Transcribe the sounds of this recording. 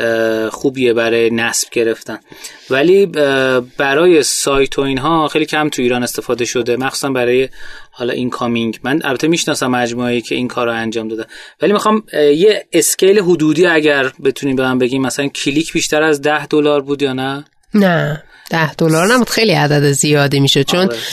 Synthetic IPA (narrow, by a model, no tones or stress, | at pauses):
xuːbiebæɾɒːjenæsb̥̚ɟe̞ɾe̞ft̪æn | væliː | b̥æɾɒːje̞sɒːjt̪ʰoiːnɦɒːxejliːcʰæmt̪ʰuiːɾɒːne̞st̪e̞fɒːd̪eʃo̞d̪e̞mæxsu̥ːsæmbæɾɒːje̞hɒːlɒ̰ʔinkʰɒmiŋɟmænʔæ̰lbæt̪ʰemiːʃnɒːsæmːæd͡ʒmuejiːcʰeʔinkʰɒːɾːoænd͡ʒɒːmd̪ɒːd̪ænvæliːmixɒmjeesce̞jleɦud̪uːd̪iːæɟæɾbe̞t̪ʰuniːmbemæmbe̞ɡiːmːæsælæncʰilicʰbiʃt̪æɾæzd̪æhd̪olɒːɾbuːd̪jɒːnæ | næ | d̪̥æhd̪̥olɒɾnæbuːd̪̥xejliæd̪æd̪ezijɒːd̪imiːʃo̞d̪̚t͡ʃʰon